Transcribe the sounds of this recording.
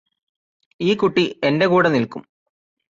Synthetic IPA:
iːkuʈːie̞nde̞kuːɽɐnilkum

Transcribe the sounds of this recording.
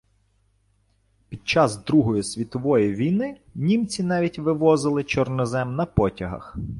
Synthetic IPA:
pʲid̪̚t͡ʃɑzd̪ɾuɦɔjisʲʋʲit̪ɔʋɔjiʋʲijnɪnʲimt͡sʲinɑʋʲitʲʋɪʋɔzɪlˠɪt͡ʃɔrnɔzɛmnɐpɔtʲɐɦɐ̰x

